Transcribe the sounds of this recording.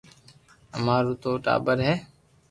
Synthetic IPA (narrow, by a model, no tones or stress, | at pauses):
əmaːɾuːt̪oːʈa̰ːbəɾɦɛː